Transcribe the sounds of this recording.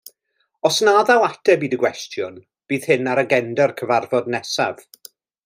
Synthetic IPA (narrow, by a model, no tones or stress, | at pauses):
ɔsnaːðalˠatʰɛbiːdəɡwɛstʰjʊn | b̥iːð̥hɪnaɾəɡɛndɛrkʰəvarvɔdnɛsa̰v̥